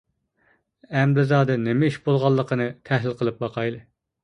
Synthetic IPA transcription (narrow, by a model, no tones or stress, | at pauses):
ɛmɾɪzɑːd̪ɛnɪmɪiʃbolˠʁɑlˠːəqʰənɨt̪ʰæhlɪlqʰəlˠɨp̚bɑqʰɑjlˠɨ